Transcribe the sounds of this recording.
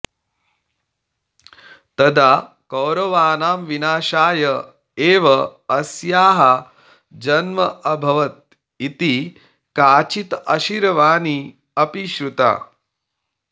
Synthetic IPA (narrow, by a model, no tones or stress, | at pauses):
t̪ɐd̪aː | kɐwɾɐʋaːnaːmʋinaːʃaːjɐ | eːʋɐɐsjaːɦɐ | d͡ʒɐnmɐʔɐbʱɐʋɐt̪̚ | it̪i | kaːt͡ʃit̪ɐʃiɾɐʋaːni | ɐpiʃɾut̪a̰ː